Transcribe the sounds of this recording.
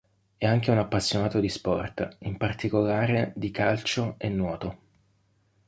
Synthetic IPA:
ɛaŋk̟eunapːasːjonaːt̪od̪ispɔ̰rt̪impart̪ikolaːɾed̪ikalt͡ʃoenːwɔːt̪o

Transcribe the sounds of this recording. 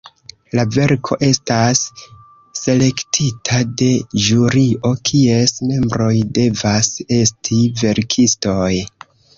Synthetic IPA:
lave̞ɾkʰo̞̰ʔe̞stasː | e̞le̞ktʰitʰade̞d͡ʒuɾiʔo̞kʰie̞sme̞mbɾo̞jde̞vase̞stʰive̞ɾkʰisto̞j

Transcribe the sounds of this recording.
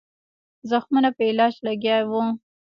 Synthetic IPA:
zaxmunapəɪlɑd͡ʒlaɡjɑjwu

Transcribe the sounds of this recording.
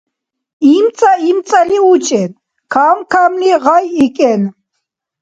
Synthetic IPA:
imt͡sʼaimt͡s̪ʼaliut͡ʃʼɛn | kʰamkʰamniʁajikʼɛn

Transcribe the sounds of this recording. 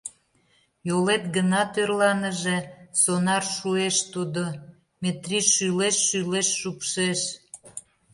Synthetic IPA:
jolet̪̚ɡənɑt̪ørlɑnəʒesonɑrʃueʃt̪ud̪o | met̪riʃːyleʃːyleʃːupʃeʃ

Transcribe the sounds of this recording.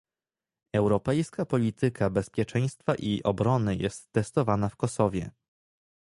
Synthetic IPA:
ɛwɾɔpɛjskapɔlʲit̪ɘkʰabɛspʲjɛt͡ʂɛj̃st̪faʔiʔɔbɾɔnɘjɛst̪ːɛst̪ɔvanafkɔsɔvʲjɛ̰

